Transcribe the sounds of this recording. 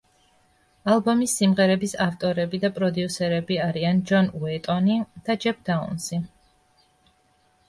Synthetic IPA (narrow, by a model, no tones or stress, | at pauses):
alˠbɔmisːimʁɛɾɛbisaft̪ʼɔɾɛbid̪apʼɾɔd̪iusɛɾɛbiaɾiand͡ʒɔnuɛt̪ʼɔnid̪̥ad͡ʒɛp̚ʰd̪aṵnsi